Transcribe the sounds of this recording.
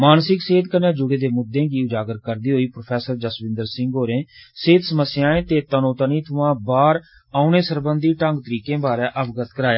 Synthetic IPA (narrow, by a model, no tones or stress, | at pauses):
maːnsɪkseːd̪kənẽːd͡ʒʊɡeːd̪eːmʊd̪ːẽːɡiːʊd͡ʒaːɡəɾkəɾd̪iːɦoːiːpɾopʰɛːsəɾd͡ʒəsbɪ̃nd̪əɾsɪ̃ŋɡɦoːɾẽːseːt̪səməsːɪjãːẽːt̪eːt̪ənõːt̪əniːt̪ʰʊʋãːbaːɾ | aːunẽːsəɾbənd̪iːʈə̃ŋɡt̪əɾiːkẽːbaːɾɛ̃ːʔəbɡət̪kəɾaːjaː